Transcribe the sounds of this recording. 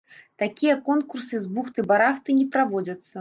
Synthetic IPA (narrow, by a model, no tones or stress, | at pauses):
t̪akʲijɐkɔnkursɨzbuxt̪ɨbaɾaxt̪ɨnʲɛpɾavɔd͡zʲɐt̪sːɐ